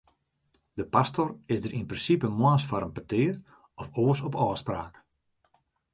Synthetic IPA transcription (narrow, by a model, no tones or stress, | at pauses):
dəpastorɪsdəɾʔinprɪnsipəmwaːsfaɾənpətɪːr | ɔfoəsɔpɔːspraːk